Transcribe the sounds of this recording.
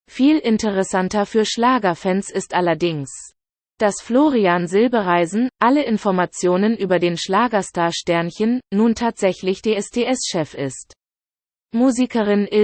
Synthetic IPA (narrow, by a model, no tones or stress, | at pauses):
fiːlʔɪntəʁɛsantɐfyːɐʃlaːɡɐfɛnsɪstʔalɐdɪŋs | d̥asfloːʁianzɪlbəʁaɪzn̩ʔaləʔɪnfɔɐmat͡sjoːnənʔyːbɐdeːnʃlaːɡɐstaːɐʃtɛɐnçənːuːntʰaːtz̥ɛçlɪçd̥eːɛsd̥ʰeːʔɛsʃɛfɪst | muːzikʰəʁɪnɪ